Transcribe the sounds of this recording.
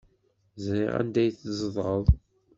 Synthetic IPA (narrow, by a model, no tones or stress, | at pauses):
znḭʁæ̰nd̪æjθzˤðˤəðˤ